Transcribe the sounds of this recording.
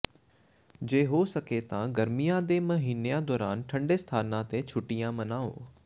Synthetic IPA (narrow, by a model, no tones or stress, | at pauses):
d͡ʑeːɦoːsəket̪ãɡɐɾmijãd̪eːmɐɦiːnejãd̪ɔːɾaːnʈʰɐ̃ɳɖeːst̪ʰaːnãt̪et͡ʃʰʊʈːijãmɐnãːo̰ː